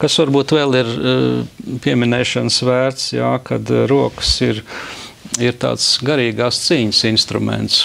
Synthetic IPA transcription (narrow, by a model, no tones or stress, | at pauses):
kasʋaɾbuːt̪ʋɛːlˠiɾ | pʲiɛminɛːʃɐnsʋæːɾt̪sjaka̰d̪ɾuɔkə̥siɾ | iɾt̪a̰ːt̪sɡaɾiːɡaːst̪siːɲəsinst̪ɾumɛ̰nt̪s